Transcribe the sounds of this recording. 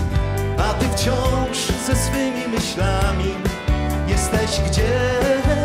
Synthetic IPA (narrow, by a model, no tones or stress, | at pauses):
at̪ɨft͡ɕɔ̃w̃ʂzɛsfɘmʲimɘɕlamʲi | jɛst̪ɛʑɡd͡ʑɛ